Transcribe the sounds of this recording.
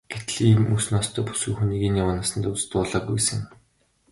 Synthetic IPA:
ɡ̥et̪ɮiːmusnɔːst̪ʰœːpu̥sɘ̆kxuniːɣiːnjawə̆ːnasə̆nt̪ut͡sɘ̥̆t̪ʊːɮɔːɡujesɘ̆ŋ

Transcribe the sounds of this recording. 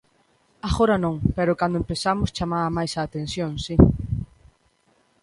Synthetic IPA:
aɣoɾanõŋpeɾʊkand̪ʊempeθamʊst͡ʃamaamajsaːt̪ẽnsjõŋsi

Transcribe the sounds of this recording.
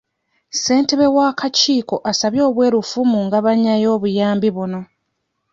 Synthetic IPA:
se̞ːnteβe̞waːkaciːko̞ʔasaβjo̞ːβwe̞ːɾufumuŋɡaβaɲːajo̞ːβujaːmbiβuno̞

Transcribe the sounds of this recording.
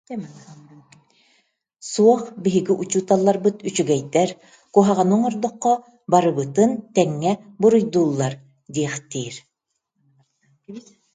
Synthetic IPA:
suɔχbiɦiɡiʔut͡ɕuːt̪alˠːaɾbɯt̪yt͡ɕyɡɛjd̪ɛɾ | kuɔɦaʁanɯŋɔɾd̪ɔqːɔ | baɾɯbɯt̪ɯnt̪ɛŋːɛbuɾujd̪uːlˠːaɾ | d̪iɛχt̪iːɾ

